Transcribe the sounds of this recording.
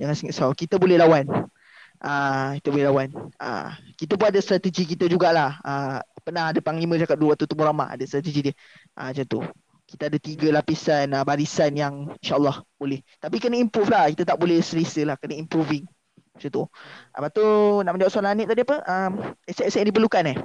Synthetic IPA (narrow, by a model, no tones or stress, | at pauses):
d͡ʒaŋansəŋaʔsawkit̪əbolɛhlawan | ʔəkit̪əbolɛhlawanə̰kit̪əp̬unadəst̪ɾat̪əd͡ʒikit̪əd͡ʒuɡaʔlahəpənahadəpaŋlimə̃d͡ʒakat̚duɾuwaʔt̪ut̪umuɾama̰ʔa̰dəst̪ɾat̪əd͡ʒidiə | ʔə̰mət͡ʃant̪ṵ | ki̥t̪aadət̪iɡəlapisanəbaɾisanjaŋinʃaʔəlˠːɔhb̥olɛht̪apikənaimpɾuflahkit̪ət̪aʔbolɛsəɾisəlahkənəimpɾuvɪŋ | mat͡ʃant̪uʔa̰bat̪unaʔməndaaʔsualanəʔ̪̚t̪adiapəʔəmɛsʔɛsəʔndipərlukanɛh